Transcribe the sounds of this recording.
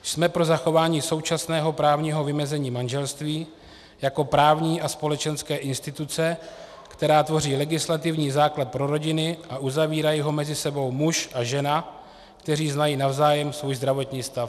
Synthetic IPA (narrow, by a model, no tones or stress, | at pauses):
smɛpɾo̞zaxo̞vaːɲiːso̞wt͡ʃasnɛːɦo̞pɾaːvɲiːɦo̞vɪmɛzɛɲiːmanʒɛlst̪viː | jako̞pɾaːvɲiːʔaspo̞lɛt͡ʃɛnskɛːʔɪnst̪ɪt̪ut͡sɛ | kt̪ɛɾaːt̪vo̞riːlɛɡɪslat̪ɪvɲiːzaːklat̪̚pɾo̞ɾo̞ɟɪnɪʔaʔuzaviːɾajiɦo̞mɛzɪsɛbo̞wmuʃʔaʒɛna | kt̪ɛɾiːznajiːnavzaːjɛmsvuːjzd̪ɾavo̞t̪ɲiːst̪af